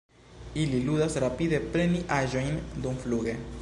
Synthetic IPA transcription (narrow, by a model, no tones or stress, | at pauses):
ililudasɾapid̪e̞pɾe̞niʔaʒo̞jnd̪umfluɡe̞